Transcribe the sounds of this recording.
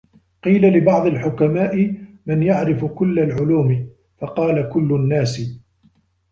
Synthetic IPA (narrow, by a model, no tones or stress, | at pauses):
qiːlalɪbɑʕd̪ˤɪlħʊkamaːʔɪ | mɪnjaʕɾɪfʊkʊlːalʕʊluːmɪ | fɑqɑːlakʊlːʊnːaːsɪ